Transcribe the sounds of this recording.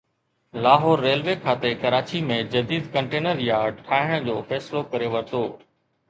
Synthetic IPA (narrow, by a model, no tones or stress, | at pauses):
laːɦɔːɾːeːlʋeːkʰaːt̪ekɐɾaːt͡ɕimẽd͡ʑɐd̪iːd̪kɐ̃ɳʈeːnəɾjaːʈʰaːɦɪɽ̃d͡ʑoːfɛːsɪlokɐɾeʋɐɾt̪ʰoː